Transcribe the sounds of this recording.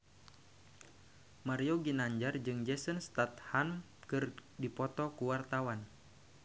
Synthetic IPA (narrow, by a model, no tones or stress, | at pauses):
maɾioɡinaɲd͡ʒard͡ʒɨŋd͡ʒɛsənst̪at̪ham | kɨrdipɔt̪ɔkuwart̪awan